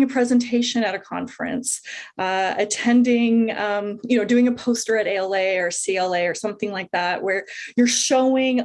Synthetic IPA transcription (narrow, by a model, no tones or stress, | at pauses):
ŋɨpʰɹ̥ɛzɨ̃n̩tʰeɪʃɨ̃nɨɾɨkʰɑ̰̃ɱfɹɨ̰̃ns | ɨtʰɛ̃ndɪ̃ŋʌ̃mjɨnoʊdʉɪ̃ŋɨpʰoʊstə˞ɨɾeɪɛlˠeɪə˞siɛlˠeɪə˞sʌ̃mθɪ̃ŋlaɪk̚ðæʔ̚wə˞jə˞ʃoʊɪ̃ŋ